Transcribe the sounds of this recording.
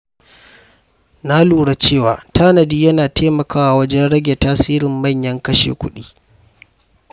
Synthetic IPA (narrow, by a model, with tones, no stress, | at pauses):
na˦luː˨ɽa˦t͡ʃeː˦˨waː˨tʰaː˦nɐ˨diː˦jɐ˦naː˨teː˦mɐ˨kʰaː˦wa˨wɐ˦d͡ʒɛ˦nɽɐ˦ɡʲe˨taː˦siː˦ɾɪ˨mːɐ˦˨ɲjɐ˦ŋkɐ˦ʃḛː˨kʷʊ˦ɗiː˦